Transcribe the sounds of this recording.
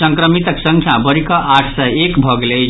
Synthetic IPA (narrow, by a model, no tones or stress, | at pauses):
səŋkɾəmit̪əksə̃ŋkʰjabəɾikəʔaʈʰsɛekbʱʌɡele